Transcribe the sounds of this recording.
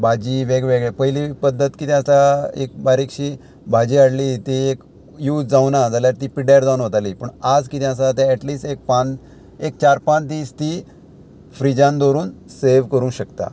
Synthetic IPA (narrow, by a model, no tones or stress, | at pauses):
bad͡ʑiːʋeɡʋeɡɭɛpəɦilipəd̪ʱːət̪kit̪j̃asaḛk̚baɾikɕiː | bʱad͡ʑiːaɽliːt̪iek | juːt͡sd͡zawnad͡zaljaɾt̪iːpiɽaɾd͡zawnʋət̪aliːpəɳad͡zkit̪j̃asat̪ãɛʈliːsʈek̚pãn | ek̚t͡ɕaɾpãnt̪ist̪i | fɾid͡ʑãnd̪oɾuːnseʋkəɾũːɕəkt̪a̰